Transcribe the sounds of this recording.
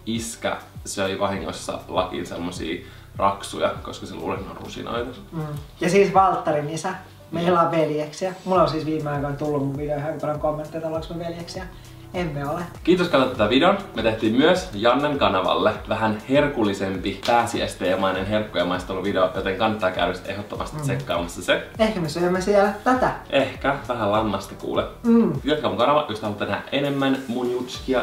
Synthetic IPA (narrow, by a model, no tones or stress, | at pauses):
iskæ̰søiʋɑhiŋːo̰sːɑ̰lɑkḭnsemːosḭː | rɑksujɑ̰ko̰skɑsḛlṵːlenːo̰rrṵsḭno̰it̪usjɑsiːsʋɑlt̪ːɑrinisæ | melɑʋʋeljeksjɑmulolsiːsʋiːmeɑikɑnt̪ulːummuʋʋideohæmpɑrɑŋkomːẽnt̪ːet̪oloksmøʋeljeksjɑ | emmeolekiːt̪oskɑnːɑt̪t̪ːæʋideonmet̪eht̪iːmmyøsjɑnːeŋkɑnɑʋɑ̰lːeʋæɦænhe̞rkulːisempipæːsiæ̰st̪eːemɑinenɦe̞rkːojemɑist̪olːuʋideojot̪eŋkɑnːɑt̪ːˑɑːkæ̰ːʋyst̪ʔeɦot̪ːomʔɑ̰st̪it̪sekːɑ̰ːmɑsːɑseehkæmesyømːæsiɛlt̪æt̪æʔehkæʋæɦælɑmːɑst̪i̥kṵːlekit̪kɑmuŋkɑnɑʋɑ̰ʔjʔost̪hɑlut̪ːenæhæ̰ʔʔenemːænmunjut̪skiɑ